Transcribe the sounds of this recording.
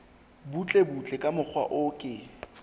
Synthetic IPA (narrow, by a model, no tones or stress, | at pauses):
but͡ɬʼebut͡ɬʼɛkʼamʊk͡xʰwa̰ʔʊkʼɪ